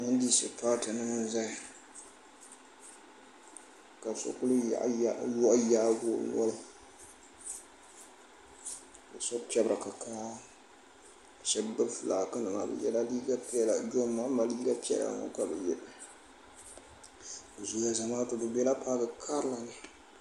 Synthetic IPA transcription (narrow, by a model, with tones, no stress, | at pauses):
nɨ˦ndi˦sɨ˨paː˦tɨ˨nɨ˦ŋɨ˦nza˦˨ | ka˨so̰˨kʊ˦lɨ̰˦˨ʔjɔ˦ʔjaː˦ɡo˦˨n˦ɔ˦lʊ˦ | bɨ˨sɔ˦pi˦ɛ˦bɾɨ˨ka˨kaː˦˨ | ʃɛ˦bɨ˦flaː˨kɨ˦nɨ˨ma˨bɛ̰˨jɛ̰˦la˦liː˦ɡa˦pɛ˦la˨d͡ʒo˦mːa˦ma˨liː˦ɡa˦pi˦ɛ̰˦la̰˨ŋɔ̰˦ka˨bɛ˨jɛ˦bɨ˨ | zo˨˦ja˦˨za˨ma˦tɨ˨bɨ˨bɛ˦la˦paː˦ɡɨ˨kʰa˦ɾɨ˦la˨nɨ˦